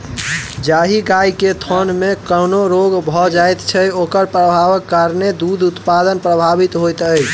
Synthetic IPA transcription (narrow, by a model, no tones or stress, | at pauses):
d͡ʒaɦiɡajket̪ʰɔnmekənoɾoɡbʱɔd͡ʒajt̪t͡ʃʰɛokəɾpɾəbʱabəkːaɾned̪ud̪ʱut̪pad̪ənpɾəbʱabit̪ɦojt̪əjʰ